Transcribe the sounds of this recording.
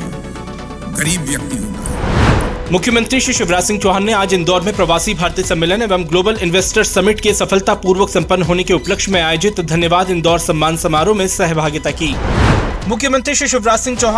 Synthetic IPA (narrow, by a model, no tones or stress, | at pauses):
ɣɐɾiːbʋjɐk̚t̪iɦo | mʊkʰjəmə̃nt̪ɾiʃɪʃɪʋɾaːsɪ̃ŋɡ̚t͡ʃoːɦaːnːeaːd͡ʒɪnd̪ɔːɾmẽpɾɐʋaːsibʱaːɾt̪isɐmːɪlənɛʋəmɡloːbəlɪnʋeːsʈəɾsɐmɪʈkesɐfəlt̪apuːɾʋəksɐ̃mpənːɦoːnekeʊpləkʃmẽaːjod͡ʒɪt̪d̪ʱɐnjəʋaːd̪ɪ̃nd̪ɔːɾsɐ̃mːaːnsɐmaːɾõmẽsɛɦbʱaːɡɪt̪akiː | mʊkʰjəmə̃nt̪ɾiʃɪʃɪʋɾaːsɪ̃ŋɡt͡ʃoːɦ